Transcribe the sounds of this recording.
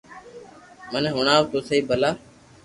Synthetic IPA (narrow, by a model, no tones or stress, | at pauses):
mənːɦʊɳaːʋt̪oːsəiːbʱəlaː